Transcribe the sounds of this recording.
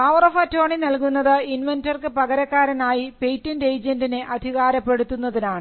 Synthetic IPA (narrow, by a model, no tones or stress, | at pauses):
ɐʋrɐfɐtːoːɳinɐlkunːɐðɨinʋɐntɐrkɨpɐɣɐɾɐkːaːɾɐnaːjipe̞jtːindejd͡ʑendineʔɐd̪ʱiɣaːɾɐpːe̞ɽut̪ːunːɐðinaːɳɨ